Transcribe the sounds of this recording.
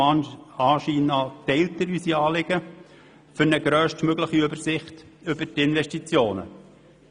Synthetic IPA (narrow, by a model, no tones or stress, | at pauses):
ɑnɑːʃiːnɑtɛɪltdəɾysiɑːlɪɡ̥ə | fʏɾnəɡɾœːʃtmøɡləχiʏbəɾsɪχt | ʏbətɪnʋɛʃtit͡sjoːnə̰